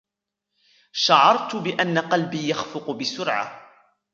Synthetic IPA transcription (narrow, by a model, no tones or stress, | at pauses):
ʃaʕɑɾˤt̪ʊbɪʔanːaqɑlbiːjaxfʊqʊbɪsʊɾʕa̰